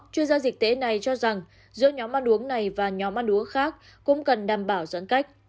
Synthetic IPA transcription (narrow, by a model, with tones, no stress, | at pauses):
t͡ɕwi˧ənzaː˧zï˨˩k̚t̪e˨˦na˨˩jt͡ɕɔ˧za˨˩ŋ | zɨ̰˧˥əɲɔ˨˦mʔa˧nʔu˨˦əŋna˨˩jvaː˨˩ɲɔ˨˦mʔa˧nʔu˨˦əŋxaː˦˥k̚ | kʊ̰˧˥ŋ͡mkə˨˩nɗaː˨˩mɓaː˧˩wzə̰˧˥nka˦˥jk̟̚